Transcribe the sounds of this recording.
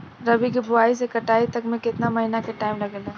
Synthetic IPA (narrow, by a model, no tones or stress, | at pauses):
ɾɐbikibʊaːis̬ekɐʈaːit̪ɐkmẽkɪt̪namɐɦinakeʈaːɪmlɐɡəlẽː